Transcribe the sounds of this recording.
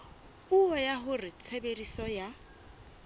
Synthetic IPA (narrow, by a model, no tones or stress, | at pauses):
pʼuɔjaɦʊrɪt͡sʰeberisɔja